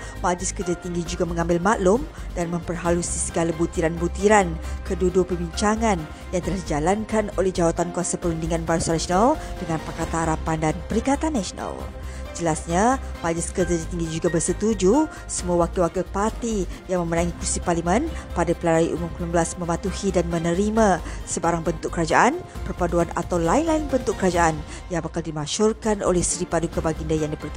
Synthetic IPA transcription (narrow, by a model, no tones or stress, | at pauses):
mad͡ʒɪskərd͡ʒat̪iŋɡid͡ʒuɡaməŋãmbɪlmaʔlʊm | danmə̃mpərɦalusisəɡalabut̪iɾanbut̪iɾankədudupəbiɲt͡ʃaŋan | jaŋt̪əlahdid͡ʒalankanolɛhd͡ʒawat̪ankuasapəɾundiŋãnbaɾusanasonaldəŋãnpakat̪ahaɾapandanpəɾikat̪anːasona̰l | d͡ʒəlasɲabad͡ʒəskəd͡ʒadat̪iŋɡid͡ʒuɡabərsət̪ud͡ʒu | səmuawakewakəpart̪ijaŋməmənaŋikusiparlimə̃npadapəlaɾaiʔumumklumambəlasmə̃mat̪uhidanmə̃nəɾimãsəbaɾaŋbənt̪ʊkːəɾad͡ʒaʔanpərpaduana̰t̪awlainlainbənt̪ʊkəɾad͡ʒaʔan | jaŋapakaldimaʃɔrkano̰lɛhsɾipadukabaɡindajaŋdipərt̪u